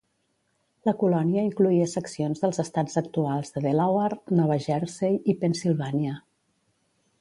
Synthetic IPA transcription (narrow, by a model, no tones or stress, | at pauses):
ləkulɔniəiŋkluiəsəksionzðəlˠzəst̪az̥əkt̪ualˠzðəðelawəɾnɔβəʒɛɾsejipənsilˠβanjə